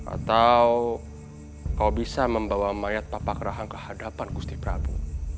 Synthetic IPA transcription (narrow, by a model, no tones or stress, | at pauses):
ʔa̰t̪aw | kawbisaməmbawamajat̪̚papakəɾaɦaŋkəhadapankust̪ipɾabu